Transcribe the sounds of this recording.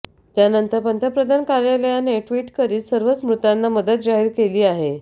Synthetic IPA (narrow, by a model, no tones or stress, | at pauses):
t̪janənt̪əɾpənt̪əpɾəd̪ʱankaɾjaləjaneʈʋiːʈkəɾiːsəɾʋət͡smɾut̪anːaməd̪ət̪̚d͡zaɦiːɾkeliːaɦe